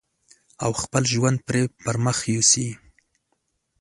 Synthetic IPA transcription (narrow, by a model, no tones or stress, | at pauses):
a̰wxpəlʒwand̪̚pɾepəɾməxjusi